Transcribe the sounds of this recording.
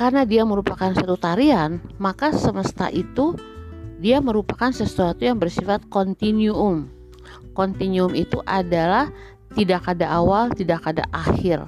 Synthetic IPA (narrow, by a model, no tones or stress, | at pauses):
karnadiaməɾupakansuat̪ut̪aɾiɦanmakasəməst̪a̰ʔit̪u | diaməɾupakansəsuat̪ujaŋbərsifat̪̚kɔnt̪inuʊm | kɔnt̪inuʊmit̪ṵʔadalah | t̪idakadaʔːwalt̪idakːada̰ʔahɪr